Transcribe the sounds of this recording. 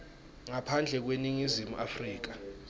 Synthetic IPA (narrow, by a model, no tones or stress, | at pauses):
ŋapʰand͡ɮʱɛk̬weniŋizimuʔafriːk̬a